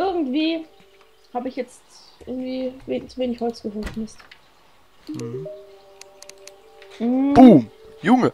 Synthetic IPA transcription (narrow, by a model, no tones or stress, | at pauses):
ʔɪɐɡŋ̩tv̥iː | haːbəɪçjɛt͡stʔɪ̰ɐɡŋ̩tv̥iːveːnt͡suveːnɪçhɔlt͡sɡ̥əɦøːɐtfmɪst | m̩b̥umjʊŋə